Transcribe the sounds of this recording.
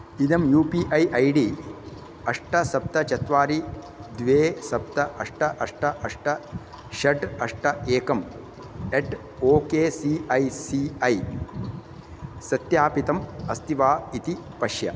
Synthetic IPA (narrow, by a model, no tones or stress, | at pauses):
id̪ɐmjuːpiːʔɐjʔɐjɖiː | ɐʂʈɐsɐp̚t̪ɐt͡ʃɐt̪ʋaːɾi | d̪ʋeːsɐp̚t̪ɐʔɐʂʈɐʔɐʂʈɐʔɐʂʈɐ | ʃɐʈɐʂʈɐeːkɐm | eʈ | oːkeːsiːɐjsiɐj | sɐt̪jaːpit̪ɐmɐst̪iʋaːit̪ipɐʃjɐ̰